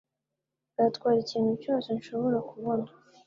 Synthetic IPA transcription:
ɡatkwaːɾiciienucasenʃo̞βo̞ɾakuβona

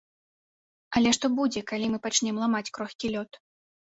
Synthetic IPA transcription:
ɐlʲɛʂt̪ɔbud͡zʲɛkalʲimɨpat͡ʂnʲɛmlˠamat͡sʲkɾɔxʲkʲilʲɔt̪

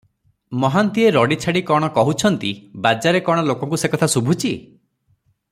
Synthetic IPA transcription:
mɔɦant̪ieɾɔɽit͡ʃʰaɽikɔɽ̃ɔkɔɦut͡ʃʰɔnt̪ibad͡ʒaɾekɔɽ̃ɔlokɔŋkusekɔt̪ʰasubʱut͡ʃʰi

